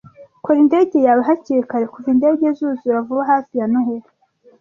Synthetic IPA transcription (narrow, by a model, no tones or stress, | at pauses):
koɾinde̞ːɟe̞jaβaɦaciɾikaɾekuvinde̞ːɟezuːzuβavuβahaːfijanuɦeɾi